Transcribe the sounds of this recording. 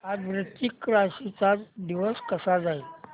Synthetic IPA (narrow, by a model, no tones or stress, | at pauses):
ad͡zʋɾət̪ikːɾasit͡sat͡sd̪iʋəskəsad͡zail